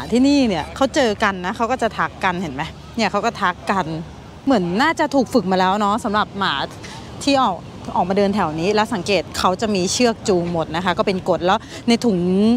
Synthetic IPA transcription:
a˩˦t̪ʰiː˥˩niː˥˩ni˥˩ɐkʰa˦˥wt͡ɕɤː˧ka˧nːa˦˥kʰa˦˥wkɔː˥˩t͡ɕa˨˩t̪ʰa˦˥kːa˧nhe˨˩˦nma˦˥ | ni˥˩ɐkʰa˦˥wkɔː˥˩t̪ʰa˦˥kːa˧n | mɯ˩˦ənːaː˥˩t͡ɕa˨˩t̪ʰuː˨˩k̚fɯ˨˩k̚maː˧lɛː˦˥wnɔ˦˥sa˩˦mɾa˨˩p̚maː˩˦ | t̪ʰiː˥˩ʔɔː˨˩k̚ | ʔɔː˨˩k̚maː˧dɤː˧nt̪ʰɛ˩˦wniː˦˥lɛː˦˥wsa˨˩˦ŋkeː˨˩t̪̚kʰa˦˥wt͡ɕa˨˩miː˧t͡ɕʰɯ˥˩ək̚t͡ɕuː˧ŋmo˨˩t̪̚na˦˥kʰa˦˥kɔː˥˩pe˧nko˨˩t̪̚lɛː˦˥w | na˧jt̪ʰu˩˦ŋ

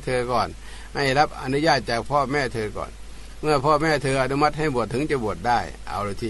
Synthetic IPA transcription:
t̪ʰɤː˧kɔː˨˩n | ha˧˩jla˦˥p̚ʔa̰˧nu˧˥jaː˥˩t̪̚t͡ɕaː˨˩k̚pʰɔː˧˩˨mɛː˧˥˩t̪ʰɤː˧kɔ̰ː˨˩n | mɯ˧˥˩ɐpʰɔː˧˥˩mɛː˧˥˩t̪ʰɤː˧ʔa˧nu˧ma˦˥t̪̚ha˥˩jbu˨˩ət̪ʰːɯ˨˦ŋt͡ɕa˧˩bu˨˩ət̪̚daː˥˩jʔa̰˧˩wɾo˧˩t̪ʰiː˧

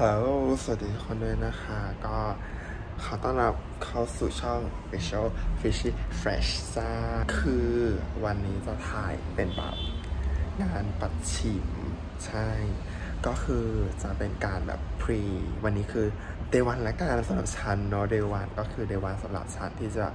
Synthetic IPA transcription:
paː˨˧˦ɾuː˦˥sɯ˨˩k̚diː˧˩˦kʰo˧nlɯː˧jna˦˥xʰa˦˥kɔː˥˩ | kʰa˦˥wt̪ɔ˥˩ŋɾa˦˥p̚kʰa˥˩wsuː˨˩t͡ɕʰɔ˥˩ŋfi˧˥sʰə˥˩lfi˧˥siː˧˥˩fɾɛ̰ː˦˩ɕt͡ɕaː˥˩kʰɯː˧wa˧nːiː˦˥t͡ɕa˨˩t̪ʰaː˨˩jpe˧nbɛ̰ː˨˩p̚ŋaː˧npa˨˩t̪̚t͡ɕʰi˨˩m | t͡ɕʰa˥˩j | kɔː˥˩kʰɯː˧t͡ɕa˨˩pe˧nkaː˧nbɛ̰ː˨˩ppʰːɾiː˧wa˧nːiː˦˥kʰɯː˧ | deː˧wa˧nlɛ˦˥kaː˧nsa˧mɾa̰˨˩p̚t͡ɕʰa˦˥nːɔ˦˥deː˧wa˧nkɔː˥˩kʰɯː˧deː˧wa˧nsa˧˦mɾa̰˨˩p̚t͡ɕʰa˦˥nt̪ʰiː˥˩t͡ɕa̰˨˩

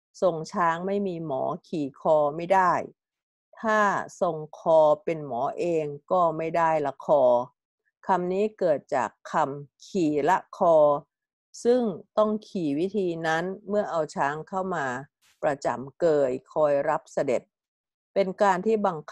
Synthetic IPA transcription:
so˧ŋt͡ɕʰaː˦˥ŋma˥˩jmiː˧mɔ̰ː˩˦kʰiː˨˩kʰɔː˧ma˥˩jdaː˥˩j | t̪ʰaː˥˩so˧ŋkʰɔː˧pe˧nmɔː˩˦ʔeː˧ŋkɔː˥˩ma˥˩jdaː˥˩jla˧˥kʰɔː˧ | kʰa˧mniː˦˥kɤː˨˩t̪̚t͡ɕa̰ː˨˩kʰːa˧mkʰiː˨˩la˦˥kʰɔː˧ | sɯ˥˩ŋt̪ɔ˥˩ŋkʰiː˨˩wi˦˥t̪ʰiː˧na˦˥nmɯ˥˩ɐʔa˧wt͡ɕʰaː˦˥ŋkʰa˥˩wmaː˧ | pɾa˧t͡ɕa̰˨˩mkɤː˧jkʰɔː˧jɾa˦˥p̚sa˧de˨˩t̪̚ | pe˧nkaː˧nt̪ʰiː˥˩ba˧ŋkʰ

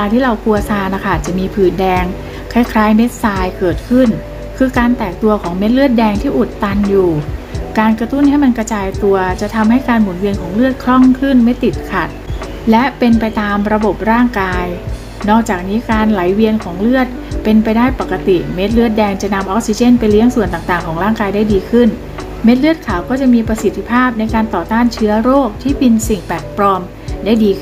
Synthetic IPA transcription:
aː˧t̪ʰiː˥˩ɾa˧wkʰu˧ɐsaː˧na˧˩kʰa˥˩t͡ɕa˨˩miː˧pʰɯː˨˩ndɛː˧ŋ | kʰaː˥˩jkʰɾaː˦˥jme˦˥t̪̚saː˧jkɤː˨˩t̪̚kʰɯ˥˩n | kʰɯː˧kaː˧nt̪ɛː˨˩k̚t̪u˧ɐkʰɔː˩˦ŋme˦˥t̪̚lɯ˥˩ət̪̚dɛː˧ŋt̪ʰiː˥˩ʔu˨˩t̪ːa˧njuː˨˩kaː˧nkɾa˧t̪u˥˩nha˥˩jma˧nkɾa˧t͡ɕaː˧jt̪u˧ɐt͡ɕa˨˩t̪ʰa˧mha˥˩jkaː˧nmu˩˦nwi˧ənkʰɔː˩˦ŋlɯ˥ət̪̚kʰɾɔ˥˩ŋkʰɯ˥˩nme˦˥˩t̪ːi˨˩t̪̚kʰa˨˩t̪̚ | lɛ˦˥pe˧npa˧jt̪aː˧mɾa˧bo˨˩p̚ɾaː˥˩ŋkaː˧j | nɔː˥˩k̚t͡ɕaː˨˩k̚niː˦˥kaː˧nla˩˦jwi˧ənkʰɔː˩˦ŋlɯ˥˩ət̪̚ | pe˧npa˧jdaː˥˩jpa˨˩kːa˧t̪i˨˩me˦˥t̪̚lɯ˥˩ət̪̚dɛː˧ŋt͡ɕa˨˩na˧mʔɔː˦˥k̚si˧t͡ɕe˥˩npa˧jli˦˥əŋsu˨˩ənt̪aː˨˩ŋt̪aː˨˩ŋkʰɔː˩˦ŋɾaː˥˩ŋkaː˧jdaː˥˩jdiː˧kʰɯ˥˩n | me˦˥t̪̚lɯ˥˩ət̪̚kʰaː˨˩˦wkɔː˥˩t͡ɕa˨˩miː˧pɾa˧si˨˩t̪ʰi˧˥pʰaː˥˩p̚na˧jkaː˧nt̪ɔː˨˩t̪aː˥˩nt͡ɕʰɯ˦˥ɐɾoː˥˩k̚t̪ʰiː˥˩pi˧nsi˨˩ŋpɛ˨˩k̪̚pɾɔː˧m | daː˥˩jdiː˧˥

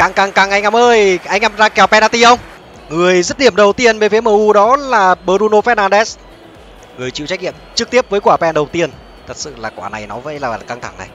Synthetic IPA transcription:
kaː˨˩ŋkaː˨˩ŋkaː˨˩ŋʔa˧jŋ̟ʔa˧˦mʔəː˧jʔa˧jŋʔa˧mzaː˧kɛ˨˩wpɛ˧naː˧t̪i˧hə˧wŋ͡m | ŋɨ˨˩əjzə˦˥t̚ɗi˧˩əmɗə˨˩wt̪i˧ənve˨˦fi˨˦məː˧ʔu˧ɗɔ˨˦laː˨˩ɓəː˧˩zu˧no˧fɛ˦˥t̚naː˧nɗɛ˦˥s | ŋɨ˨˩əjt͡ɕḭ˧˨wt͡ɕa˦˥k̚ɲḭ˧˨əmt͡ɕɨ˦˥k̚t̪i˦˥əp̚vəː˨˦jkwaː˧˩pɛ˧nɗə˨˩wt̪i˧ən | t̪ʰə˨˩t̚sɨ̰˧˨laː˨˩kwaː˧˩na̰˨˩jnɔ˨˦vəː˧˥˦jlaː˨˩˨kaː˧ŋt̪ʰa̰˧˩ŋna̰˨˩j

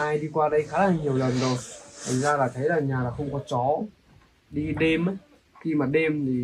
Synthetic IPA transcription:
aː˧jɗi˧kwaː˧ɗə˧jxaː˧˦laː˧˩ŋɲi˨˩əwlə˨˩nzo˨˩jt̪ʰa˨˩ŋzaː˧laː˨˩t̪ʰə˨˦jlaː˨˩ɲaː˨˩laː˨˩xə˧wŋ͡mkɔ˨˦t͡ɕɔ˨˦ | ɗi˧ɗe˧mʔ | xi˧maː˨˩ɗe˧mt̪ʰi˨˩

